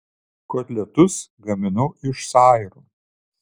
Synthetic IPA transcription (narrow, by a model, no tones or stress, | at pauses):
koːt̪ʲlʲɛt̪ʊsɡɐmʲɪnʊʔɪʃsɑːɪɾuː